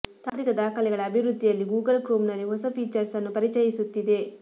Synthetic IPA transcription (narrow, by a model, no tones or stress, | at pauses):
t̪aːɾikɐd̪aːkʰɐlɛɡɐɭɐːbʱiʋɾud̪ʱːijɐlːiɡuːɡɐlkɾoːmnɐlːiɦɔsɐpiːt͡ʃɐɾsɐnːupɐɾit͡ʃɐjisut̪ːid̪e̞